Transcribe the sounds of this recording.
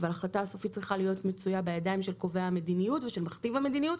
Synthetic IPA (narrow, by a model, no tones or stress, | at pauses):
valaχlataaso̞fitt͡sʁiχalijo̞tmet͡sujabajadaimʃe̞lko̞veahame̞dinijutveʃe̞lmaχt̪ivame̞dinijut